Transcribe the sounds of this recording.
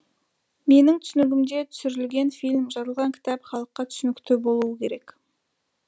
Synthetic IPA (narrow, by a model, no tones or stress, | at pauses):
me̞nɪŋt̪ʰʏ̥sɪnɪɡʲɪmd̪e̞t̪ʰʏ̥sʏɾɪlɡʲe̞nfijlʲmʒɑɾəlˠʁɑŋkʲʰɪ̥t̪ɑpχɑlˠəqːɑt̪ʰʏ̥sʏnɪkt̪ɪbo̞lˠuəkʲʰe̞ɾe̞k